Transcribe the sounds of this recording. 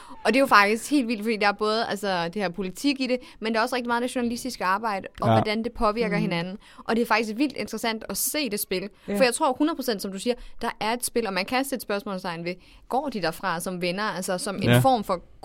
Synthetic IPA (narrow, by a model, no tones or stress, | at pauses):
ɒ̽d̥e̝jofɑ̈ɡ̥d̥isɡ̥he̝̰ːld̥ʋil̰d̥fɒ̥ḭːd̥ɑæɐb̥ɔ̽ːð̞̩ˠælsɒd̥e̝hæɐpʰo̝lit͡sʰiɡ̥iɾ̥e̝ | mend̥eæɒ̽sʁeɡ̥̚imɑ̈ð̩ˠnæɕo̝nælisd̥isɡ̥əɑ̈ːb̥ɑ̈ɪ̰ɾ̥əɒʋɒd̥ænd̥e̝pʰɒ̽ʋiɐɡ̥ɐɦe̝nænn̩ | ʔɒ̽d̥e̝æɐfɑ̈ɡ̥is̬ɡ̥ʋil̰d̥e̝nd̥ʁɐsæn̰d̥ɒse̝̰ːd̥e̝sb̥e̝lfɒjɑ̈ɪt͡sʰʁo̝ɐ̰hunðˠpʰosen̰d̥sɒ̽md̥usiːɐd̥ɑ̈ʔæɐe̝d̥sb̥e̝lɒ̽mænkʰæsed̥sb̥ɶɐsmɔ̰ːlsʰɑ̈ɪnʋe | ɡ̥ɒ̰ːd̥id̥æfʁɑ̈sɒ̽mʋenɐælsɐsɒ̽me̝nfɒ̰ːmfɒ̽